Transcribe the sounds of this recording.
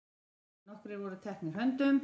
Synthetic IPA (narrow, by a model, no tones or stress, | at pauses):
nɔhkɾɪvɔɾʏt̪ʰɛhknɪɾɦœnt̪ʏm